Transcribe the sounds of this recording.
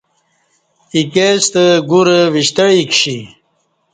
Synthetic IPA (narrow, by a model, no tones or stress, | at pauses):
ikest̪əɡuɾəwiɕt̪əɻikɕi